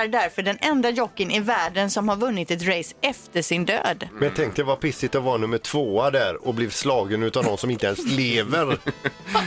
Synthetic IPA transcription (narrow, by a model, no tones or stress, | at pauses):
æɖæɾfœɖɛnɛnd̪ajɔkːənɪvæːɖənsɔmhaɾvɵnːɪt̪ɛt̪ɾɛjsɛft̪əʂɪnd̪ø̰ːd̪mɛjat̪ʰɛŋkt̪əjvaɾpʰɪsɪt̪ɔvɑːɾanɵmːəʈʰv̥oːad̪æɾɔbliːvslɑːɡənʉ̟ːt̪avd̪ɔmsɔmɪnt̪əɛnsleːvəɾ